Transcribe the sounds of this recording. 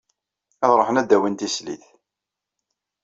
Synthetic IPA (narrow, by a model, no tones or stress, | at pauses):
æðɾˤəħənæd̪ːæwint̪islḭθ